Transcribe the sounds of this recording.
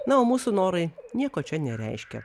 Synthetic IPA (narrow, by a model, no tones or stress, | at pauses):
nɐoːmuːsunoːɾɐɪnʲiɛkoːt͡ʃʲɛnʲɛɾʲɛ̰ɪʃʲkʲɛ̰